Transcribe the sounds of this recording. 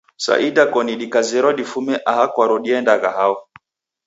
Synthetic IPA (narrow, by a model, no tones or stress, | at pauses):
sa̰ʔidakɔniɗikazɛɾɔɗifumɛʔahakwaɾɔɗiɛndaɣaɦaɔ